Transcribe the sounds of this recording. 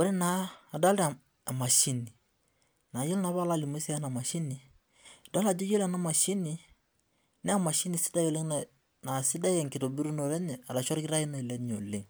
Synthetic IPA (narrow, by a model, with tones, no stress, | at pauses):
wo˦ɾɛ˦naː˨˦˨da˦ld | a˨ma˨ʃi˦ni˨ | na˨ji˦lna˨˦ba˦la˦li˨mu˦si˦a˦na˨ma˨ʃi˦ni˨ | da˦la˨d͡ʒu˦ji˦la˨na˦ma˨ʃi˦ni˨ | nɛ˦a˦˨ma˨ʃi˦ni˨si̥˦da˦je˨le˦ŋna˨ | na˨si˦da˦jɛ˨ŋki˨to˨bi˦ɾu˦no˨lɛ˦ɲɛ˨a˨da˨ʃɔ˦ɾki˦ɾa˦ji˦no˨i˨lɛ˦ɲo̰˨le˨ŋ